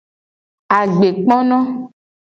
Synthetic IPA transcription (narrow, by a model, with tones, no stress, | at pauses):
a˨ɡ͡be˨k͡pɔ̃˦nɔ̃˦